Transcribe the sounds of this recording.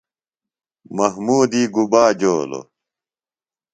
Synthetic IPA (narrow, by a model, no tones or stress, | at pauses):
mɐɦmuːd̪iːɡubaːd͡ʑoːlo̰